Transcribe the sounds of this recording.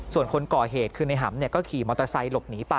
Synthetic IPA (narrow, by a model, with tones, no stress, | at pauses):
su˨˩ənkʰo˧nkɔː˨˩ɦeː˨˩t̪̚kʰɯː˧na˧jɦa˩˦mni˥˩ɐkɔː˥˩kʰiː˨˩mɔː˧t̪a˧sa˧jlo˨˩p̚niː˩˦pa˧